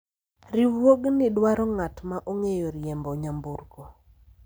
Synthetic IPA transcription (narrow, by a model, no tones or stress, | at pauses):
ɾiwoɡnɪdwaɾɔŋatmaʔoŋejɔɾjɛmbɔɲamburko